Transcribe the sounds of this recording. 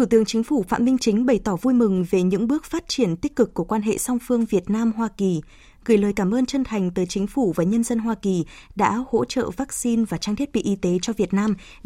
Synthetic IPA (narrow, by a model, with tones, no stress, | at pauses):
t̪ʰu˧˩t̪ɨ̰˧˨əŋt͡ɕï˨˦ŋ̟fu˧˩fa̰ː˧˨mï˧ŋ̟t͡ɕï˨˦ŋ̟ɓə˧˩jt̪ɔ˧˩vu˧jmɨ˨˩ŋve˨˩ɲɨ̰˧˥ŋɓɨ˦˥ək̚faː˦˥t̚t͡ɕi˧˩ənt̪i˦˥k̚kːɨ˨˩kːu˧˩əkwaː˧nɦḛ˧˨sa˧wŋ͡mfɨ˧əŋvi˨˩ət̚naː˧mɦwaː˧ki˨˩ | ɣɨ˧˩jləː˨˩jkaː˧˩mʔəː˧nt͡ɕə˧nt̪ʰa˨˩jŋ̟t̪əː˨˦jt͡ɕï˨˦ŋ̟fu˧˩vaː˨˩ɲə˧nzə˧nɦwaː˧ki˨˩ɗa̰ː˧˥ho̰˧˥t͡ɕə̰ː˧˨vaː˦˥k̚si˧nvaː˨˩t͡ɕaː˧ŋt̪ʰi˦˥ət̚ɓḭ˧˨ʔi˨˦t̪e˨˦t͡ɕɔ˧vi˨˩ət̚naː˧m